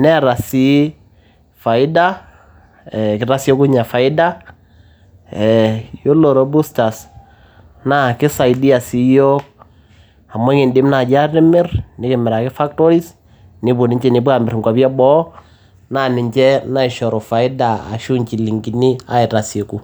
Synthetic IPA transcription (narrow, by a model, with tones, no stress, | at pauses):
nɛ˦ɾa˨si˦ | fa˨ɪ˦da˦ | ɛ˨kɪ˨ɾa˦sɔ˦ku˦ɲa˨fa˨ɪ˦da˦ | ɛjo˦lo˨ɾɔ˨bu˦sta˨s | na˦˨kɪ˦sa˨ɪdi˦a˨si˦jɔ˦k̚ | a˨ma˦ŋi˨ndɪ˦mna˨d͡ʒa˦rɪ˦mɪ˦rnɪ˦kɪ˨mɪ˨ɾa˨kɪ˦fa˦k̚tɔ˦ɾi˦s | nɪ˨bu˨nɪ˦ɲt͡ʃɛ˦ni˨bu˦a˨mɪ˨ɾŋɡwa˨bja˦bɔ˦ | na˦nɪ˨ɲt͡ʃɛ˦na˦ɪ˨ʃɔ˨ɾɔ˨fa˨ɪ˦da˨a̰˨ʃu˦ɲt͡ʃi˨li˨ŋɡi˨ni˦a̰˦ɪ˨ɾa˨se˨ku˨